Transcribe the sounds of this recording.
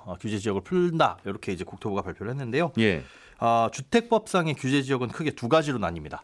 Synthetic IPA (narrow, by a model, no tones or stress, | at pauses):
kjud͡ʑe̞d͡ʑijʌɡɯɭpʰuɭnda̰jʌɾʌkʰe̞id͡ʑe̞kok̚tʰoboɡapaɭpʰjoɾɯɭhɦenːɯnde̞jojḛ | ʌt͡ɕutʰe̞k̚p͈ʌp̚s͈aŋe̞kjud͡ʑe̞d͡ʑijʌɡɯnkʰɯɡe̞tuɡad͡ʑiɾonaɲimɲida